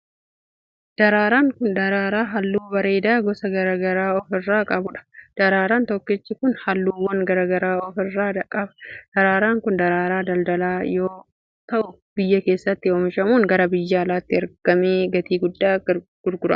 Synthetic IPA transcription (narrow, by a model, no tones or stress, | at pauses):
d̪̥ɐɾaːɾaːŋkʊnd̪ɐɾaːɾaːɦɐlːuːbɐɾe̞ːd̪aːɡɔsɐɡɐɾɐɡɐɾaːɔfɪrːaːkʼɐbʊᶑɐ̥d̪̥ɐɾaːɾaːnt̪ɔkːɪt͡ʃːɪkʊnhɐlːuːwːɐŋɡɐɾɐɡɐɾaːɔfɪrːaːd̪ɐkʼːɐbɐ̥d̪̥ɐɾaːɾaːŋkʊnd̪ɐɾaːɾaːd̪ɐld̪ɐlaːjoː | t̪ɐʔʊ | b̥ɪjːɐke̞ːsːɐt̪ːɪoːmɪʃɐmuːŋɡɐɾɐbɪjːaːlaːt̪ːɪɐɾɡ̥ɐmeːɡɐt̪iːɡʊd̪ːaːɡɡ̥ʊɾɡʊɾɐ̰